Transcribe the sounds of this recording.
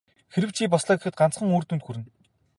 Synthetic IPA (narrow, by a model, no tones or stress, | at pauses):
xeɾɘ̆wt͡ɕʰiːp̬ɔsɮœːɡexɘ̆t̪̚ɢant͡sχə̆ŋoːrt̪unt̪xuɾɘ̆n